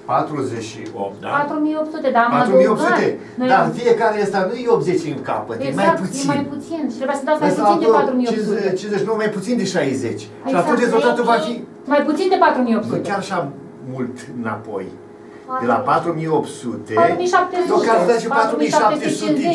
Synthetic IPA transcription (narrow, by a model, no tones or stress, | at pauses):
pat̪ɾuzeʃḭo̰p̪d̪a̰at̪ɾumijopt̪sut̪ed̪amaɾuijop̪sut̪e | nojd̪afijekaɾeəst̪anujeopze̞t͡ʃiŋka̰pət̪ɡmajaput̪seimajput̪sint̪ɾebujast̪at̪smejsuind̪pat̪ɾumijoit͡ʃinzet͡ʃinowmajput̪sind̪eʃajzet͡ʃʲ | ʃiat̪unt͡ʃezolat̪upaki | majput̪sind̪epat̪ɾumijopsutkejaɾaʃa | mult̪ɨna̰po̞̰j̪ | ela̰pat̪ɾumijopt̪sut̪e̞pat̪umijʃap̚t̪eokʲaɾaʃipat̪ɾumiʃaapet̪eest͡ʃut̪ee